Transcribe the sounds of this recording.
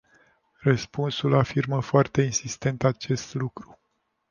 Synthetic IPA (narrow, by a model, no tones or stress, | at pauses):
rəspunsulafirməfoart̪e̞insist̪e̞nt̪at͡ʃe̞st̪lukɾu